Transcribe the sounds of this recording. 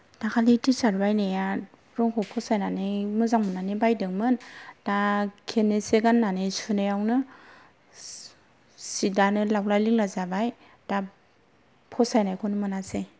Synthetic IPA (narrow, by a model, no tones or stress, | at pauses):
d̥akʰalitisaɾbajneja | ɾɔŋkʰɔpʰɔsajnanejmɯzaŋmɯnanibajdɯŋmɯndakʰeneseɡanːanesunɯjawnɯ | sidanɯlawlajliŋlazabaj | d̥a | pʰɔsajnajkʰonɯmɯnase